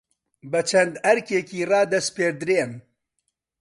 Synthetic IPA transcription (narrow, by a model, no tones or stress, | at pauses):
bɐt͡ʃʰɐnd̪ɐɾkeːkiːrɑːd̪ɐspeːɾd̪ɾeːm